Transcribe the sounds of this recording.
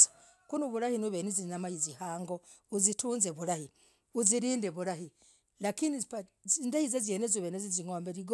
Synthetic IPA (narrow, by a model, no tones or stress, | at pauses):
ḁ | kunuβuɾahinuβenizinamajizihaːŋɡouzituːnzeβuɾahi | uziɾiːndeβuɾahi | lakinipa | indahizazjenezuβeneziziŋoːmbeɾiɡ